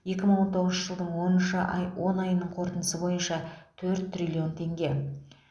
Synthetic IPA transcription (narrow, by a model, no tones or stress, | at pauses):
je̞kʲɪməɴwoɴt̪ʰo̞ʁəzʃəʒəlˠd̪əɴwo̞nənʃəʔwʔo̞nɑjənəɴqʰo̞ɾt̪ənəsəbo̞jənʃɑt̪ʰɵɾt̪ːrilʲio̞nt̪ʰe̞ŋɡʲe̞